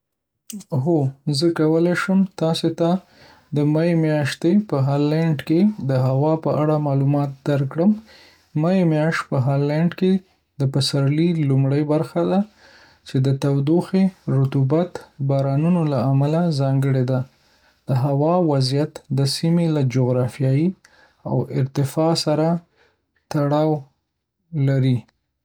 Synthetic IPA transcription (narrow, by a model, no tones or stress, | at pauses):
ɦozəkawəlajʃəmt̪ɑset̪a | d̪əmajemjɑʃt̪epəɦɑlaɳɖked̪əɦawɑpəʔaɽamɑlumɑt̪̚d̪aɾkɽəm | majemjɑʃt̪̚pəɦɑlaɳɖke | d̪əpasaɾlilumɽəjbaɾxad̪a | t͡ʃed̪ət̪awd̪oxeɾʊt̪ubat̪bɑɾɑnunolaːmalazɑŋɡəɽed̪a | d̪̥əɦawɑwazjat̪d̪əsimelad͡ʒoɣɾɑfijɑji | a̰wɪɾt̪ɪfɑsaɾa | t̪aɽɑw | laɾi